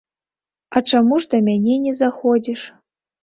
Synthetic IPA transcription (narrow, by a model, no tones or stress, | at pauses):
aʈ͡ʂamuʐd̪ɐmʲanʲenʲezaxodʲiʂ